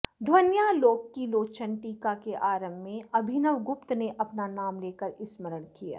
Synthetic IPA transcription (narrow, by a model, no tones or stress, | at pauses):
d̪ʱʋənjaloːɡkːiloːt͡ʃənʈiːkakeʔaːɾə̃mːẽɐbʱɪnəʋɡʊp̚t̪neʔɐpnanaːmleːkəɾɪsməɾəɳkija̰ː